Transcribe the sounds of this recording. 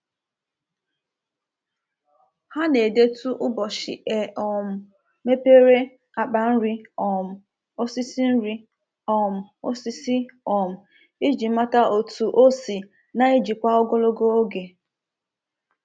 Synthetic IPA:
ha˦ne˨de˦tu˦ʔʊ˦bɔ˨ʃɪ̰˨e˨ʔɔ˨m̩˨ | me˦pe˦ɾe˦ | a˨k͡pa˨n̩˦ɾi˦ɔ˨m̩˨ | o˦si˦si˦n̩˦ɾi˦ | ɔ˨m̩˨o˦si˦si˦ɔ˨m̩˨ | i˦d͡ʒi˨˦ma˦ta˦ʔo˨tu˨ʔo˦si˨ | na˨i˦d͡ʒi˨kʷa˦ɔ˦ɡo˦lo˦ɡo˦o˦ɡe˨

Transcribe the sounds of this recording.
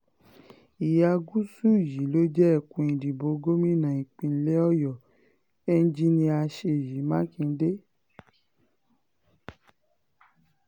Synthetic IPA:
i˨ja˨˧ɡu˦su˦˨ji˨˦lo˦d͡ʒɛ˦ɛ˦˨kũ˨ĩ˨di˨bo˨˧˦ɡo˦mĩ˦nã˨ĩ˨k͡pĩ˧n̩˦lɛ˦ɔ˦jɔ˨ | ɛ˦n̩˦d͡ʒi˦nĩ˧a˧ʃe˧˨ji˨˦mãː˦kĩ˧n̩˦de˦

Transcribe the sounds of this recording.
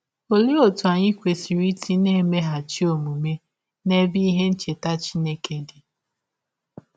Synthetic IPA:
o˨li˦o˨tu˨a˨ɲɪ˦kʷe˨si˨ɾi˦ti˦ne˦me˦ɦa˨t͡ʃi˦o˨mu˨me˦ | ne˦bi˦ɦe˦n̩˦t͡ʃe˨ta˦t͡ʃi˦ne˦ke˦dɪ˨

